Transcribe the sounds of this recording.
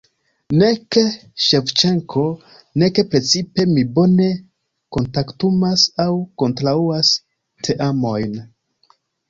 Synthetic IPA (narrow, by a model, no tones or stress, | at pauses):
ne̞keʃeft͡ʃeŋkʰo̞ | ne̞ke̞pɾe̞t͡sipe̞mibo̞ne̞ | ko̞ntaktumasawko̞ntɾauas | tʰe̞ʔamo̞jn